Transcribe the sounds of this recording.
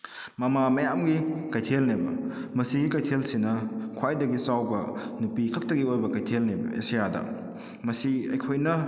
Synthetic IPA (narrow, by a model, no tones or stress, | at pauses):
mɐmamɐjamɡikajtʰelnebɐmɐsiɡikajtʰelsinɐkʰwajdɐɡisawbɐnupikʰɐk̚tɐɡiojbɐkajtʰelnebɐ̰ḛsijadɐ̰ | mɐsiɐjkʰojnɐ